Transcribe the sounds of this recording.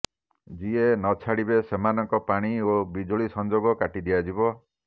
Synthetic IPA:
d͡ʒienɔt͡ʃʰaɽibesemanɔŋkɔpaɽ̃iobid͡ʒoɭisɔnd͡ʒoɡɔkaʈid̪ijad͡ʒibɔ

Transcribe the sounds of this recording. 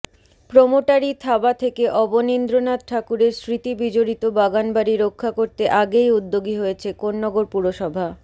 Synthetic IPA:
pɾomoʈaɾit̪ʰabat̪ʰekeʔɔbonind̪ɾonad̪̚ʈʰakuɾeɾsɾit̪ibid͡ʑoɾit̪obaɡanbaɾiɾokʰːakoɾt̪eʔaɡejud̪ːoɡiɦojet͡ɕʰekonːɔɡoɾpuɾoʃɔbʱa

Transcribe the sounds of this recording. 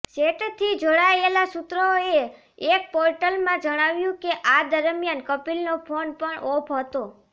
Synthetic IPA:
seʈt̪ʰid͡ʒoɽaelasut̪ɾəoe | ek̚poɾʈəlmãd͡ʒəɽ̃aʋjũkeʔad̪əɾmjankəpilnopʰonpəɳopʰɦət̪o

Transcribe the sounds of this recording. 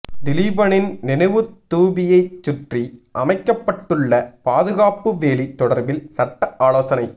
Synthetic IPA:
d̪ɪliːbɐnɪnnɪnɐɪʋɯt̪ːuːbɪjɐɪt͡ʃːʊʈriʔɐmɐɪkːɐpːɐʈːɯɭːɐpaːðɯɣaːpɯʋeːlit̪ːɔɽɐɾbɪlsɐʈːɐʔaːloːsɐnɐɪ

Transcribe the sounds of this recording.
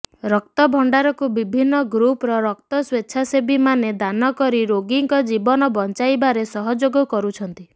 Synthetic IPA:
ɾɔk̚t̪ɔbʱɔɳɖaɾɔkubibʱinːɔɡɾupɾɔɾɔk̚t̪ɔswetːt͡ʃʰʃʰasebʱimaned̪anɔkɔɾiɾoɡiŋkɔd͡ʒibɔnɔbɔnt͡ʃajbaɾesɔɦɔd͡ʒoɡɔkɔɾut͡ʃʰɔnt̪i

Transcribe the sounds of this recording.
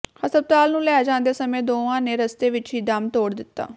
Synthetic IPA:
həsəb̚t̪aːlnũːlɛːaːd͡ʒãːnd̪eːsəmẽːd̪oːʋãːneːɾəst̪eːʋɪt͡ʃɦiːd̪əmt̪oːɽd̪ɪt̪ːa̰ː

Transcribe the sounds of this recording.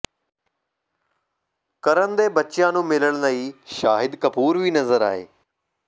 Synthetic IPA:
kɐɾənd̪eːbɐt͡ɕijãːnũːmɪləɽ̃nəiːʃaːɦɪd̪kɐpuːɾʋiːnɐzəɾa̰ːɦḛː

